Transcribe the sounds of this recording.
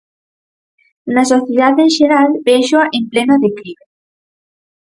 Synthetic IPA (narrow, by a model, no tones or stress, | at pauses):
nasoθjeðaðenʒeɾalbeʃoaʔemplenoðekliβe